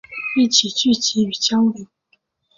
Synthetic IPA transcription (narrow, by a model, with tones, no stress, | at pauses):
i˥˨t͡ɕʰi˨˩t͡ɕy˥˩˨t͡ɕi˨˦y˨˩t͡ɕjɑ˥ʊli˧˩˦